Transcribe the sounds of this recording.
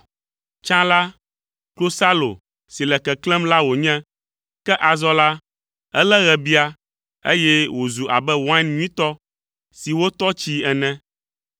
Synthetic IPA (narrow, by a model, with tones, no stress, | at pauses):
t͡ʃã˦la˦ | klo˦sa˦lo̰˨ | si˨lɛ˨kɛ˨klɛ˦mla˦wo˨ɲɛ̃˦ | kɛ˦ʔa˨zɔ˦la˦ | ɛ˦lɛ˦ɣɛ˨bi˦a˨ | ḛ˦jɛ˦wo˨zu˨ʔa̰˨bɛ˦wo˨ã˦nɲũ˦ĩ˦t̪ɔ˦ | si˨wo˦t̪ɔ˦t͡ɕi˦ɛ˨nɛ̃˦